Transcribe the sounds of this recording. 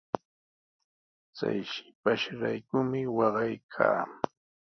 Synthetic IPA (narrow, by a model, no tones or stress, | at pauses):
t͡sa̰jʃɪ̥paʃɾajkʊmɪwɑɢɑjkʰa̰ː